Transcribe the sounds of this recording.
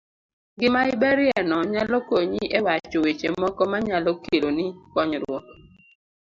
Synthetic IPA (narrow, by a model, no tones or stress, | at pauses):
ɡɪmaɪbɛɾjɛnɔɲalɔkoɲiʔewat͡ʃɔwet͡ʃemɔkɔmaɲalɔkelonikɔɲɾwɔt